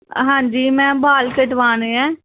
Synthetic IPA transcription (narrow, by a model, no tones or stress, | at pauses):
ɦãːɲd͡ʒiːmɛ̃ːbaːlkeʈʋaːneːɛ̃ː